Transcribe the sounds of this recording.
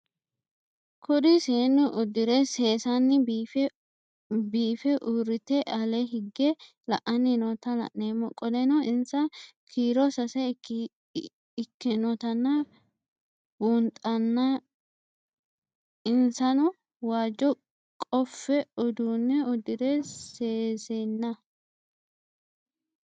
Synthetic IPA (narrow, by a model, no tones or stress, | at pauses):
kʰʊd̪ɪseːnːɪʔʊd̪ɪɾɛseːsɐnːɪf | biːfɛʔuːɾɪt̪ːɛʔɐlɛɦɪɡːɛ | lɐ̰ʔɐnːɪnɔt̪ɐlɐ̰ʔneːmːɔkʼɔd̪ɛnɔʔɪnsɐkʰiːɾɔsɐsɛ | ɪkːɪnɔt̪ɐnːɐ | buːnt̪ʼɐnːɐ | ɪnsɐnʊ | waːd͡ʒːɔ | kʼɔfːɛɔd̪uːnːɛɔd̪ɪd̪ɛseːsenːɐ